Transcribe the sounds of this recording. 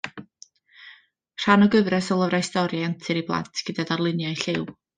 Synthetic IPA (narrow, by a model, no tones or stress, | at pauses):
r̥anɔɡəvrɛsɔlˠəvɾaɪstɔɾjaantʰɨɾiblˠa̰ntʰɡ̥ədadarlˠɨnjajɬɪw